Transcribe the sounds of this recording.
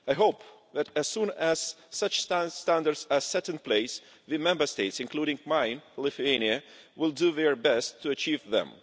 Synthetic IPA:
ajɦoʊp | ðæɾɨz̥sũnæz̥sʌt͡ʃststæ̃ndə˞dsəsɛtə̃npʰleɪs | ðɨmɛ̃mbə˞steɪtsɨ̃nkʰluɾɪ̃ŋmãɪ̃nlɪθuẽɪniɨwɪlˠduðɛɹbɛstʰːuɨt͡ʃivðɛ̰̃m

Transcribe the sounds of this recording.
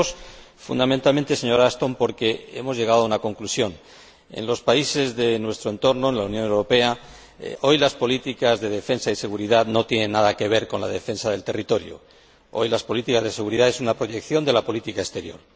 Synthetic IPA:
s | fṵnd̪amẽnt̪alme̞nt̪e̞se̞ɲo̞ɾast̪o̞mpo̞ɾke̞emo̞zʝe̞ɣ̞aðounako̞ŋklusjo̞n | e̞̰nlo̞spaise̞zðe̞nwe̞st̪ɾoe̞nt̪o̞ɾnoenlaunjo̞ne̞wɾo̞pe̞a | o̞jlaspo̞lit̪ikazðe̞ðe̞fe̞nsaise̞ɣuɾiðaðno̞t̪jene̞nːaðake̞β̞e̞ɾko̞nla̰ðe̞fe̞nsaðe̞lt̪e̞rit̪o̞ɾjo̰ | o̞̰jlaspo̞lit̪ikazðe̞se̞ɣuɾiðaesunapɾoʝe̞kθjo̞nd̪e̞lapo̞lit̪ikaest̪e̞ɾjo̞̰ɾ

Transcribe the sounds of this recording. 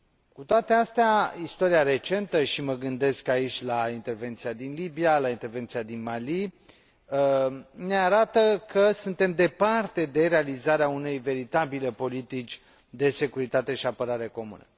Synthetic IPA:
kut̪oat̪e̞ast̪eaist̪o̞ɾijaɾe̞t͡ʃe̞nt̪əʃiməɡɨnd̪e̞skait͡ʃʲlaint̪e̞rve̞nt̪sijad̪inlibijalaint̪e̞rvent̪siad̪inmali | əneaɾat̪əkəsunt̪e̞md̪e̞part̪e̞d̪e̞ɾe̞alizaɾeaune̞jve̞ɾit̪abile̞po̞lit̪it͡ʃʲ | d̪e̞se̞kuɾit̪at̪e̞ʃiapəɾaɾe̞ko̞mṵnə̰

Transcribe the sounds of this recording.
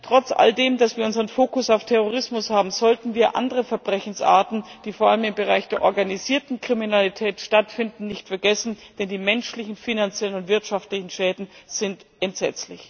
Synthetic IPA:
tʁ̥ɔt͡sʔa̰ldeːmdasv̥iːɐʊnzəʁənfoːkʊsaʊftʰɛʁoʁ̞ɪsmʊshaːbm̩zɔltn̩viːɐʔa̰ndəʁəfɛɐbʁɛçn̩sʔa̰ːɐtn̩d̥iːfoɐʔaləmɪmbəʁaɪçd̥eːɐʔɔɐɡaniziːɐtn̩kʁ̥iminalitʰɛːtʃtatfɪndn̩nɪçtfɛɐɡɛsn̩d̥ɛndiːmɛnʃlɪçn̩finant͡sjɛlənʊntv̥ɪɐtʃaftlɪçn̩ʃɛːdn̩z̥ɪntʔɛntz̥ɛ̰t͡slɪç

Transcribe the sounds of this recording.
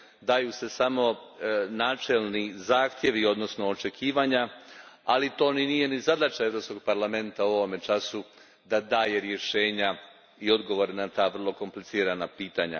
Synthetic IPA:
d̪aːjuse̞samo̞naːt͡ʃelˠnizaːxt̪je̞ʋio̞d̪no̞sno̞ot͡ʃe̞kʰiːʋaɲaalit̪o̞ːninije̞nizad̪at͡ʃae̞ʋɾopsko̞ɡ̚paɾlˠame̞nt̪aoʋome̞t͡ʃasu | d̪ad̪aːje̞ɾje̞ʃeːɲa | io̞d̪ɡo̞ʋo̞ɾenat̪aːʋr̩lˠo̞ko̞mplitsiːɾanapiːt̪aɲa̰

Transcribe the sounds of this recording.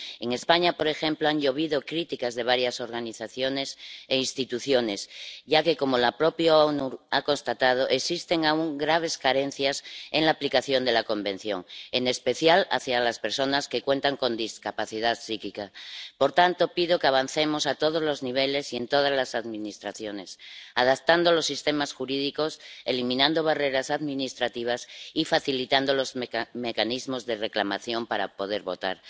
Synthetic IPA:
e̞ŋe̞spaɲapo̞ɾe̞xe̞mploaŋʎo̞β̞iðo̞kɾit̪ikazðe̞β̞aɾjaso̞ɾɣaniθaθjo̞ne̞seinst̪it̪uθjo̞ne̞sʝake̞ko̞molapɾo̞pjoanuɾako̞nst̪at̪að̞oʔeksist̪e̞ŋauŋɡɾaβ̞e̞skaɾe̞n̟θjaseŋlaːplikaθjo̞nd̪e̞lako̞mbẽ̞n̟θjo̞̰ŋene̞spe̞θjala̰θjalaspe̞ɾso̞naske̞kwe̞nt̪aŋko̞nd̪iskapaθið̞aðsikikapo̞ɾt̪ant̪o̞piðo̞keaβ̞an̟θe̞mosat̪o̞ð̞ozlo̞zniβ̞e̞le̞sie̞nt̪o̞ð̞azlasaðminist̪ɾaθjo̞ne̞sað̞ap̚t̪and̪olo̞sːist̪e̞masxuɾiðiko̞se̞limĩnãnd̪o̞β̞are̞ɾasaðmĩnist̪ɾat̪iβ̞asifaθilit̪and̪olozme̞kanizmo̞zðe̞re̞klamaθjo̞mpaɾa̰po̞ðe̞ɾβo̞t̪a̰ɾ

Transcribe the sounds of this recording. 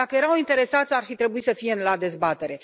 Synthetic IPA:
akəjeɾawint̪e̞ɾe̞sat̪sʲarfit̪ɾe̞buisəfijenlad̪e̞zbat̪e̞ɾe̞

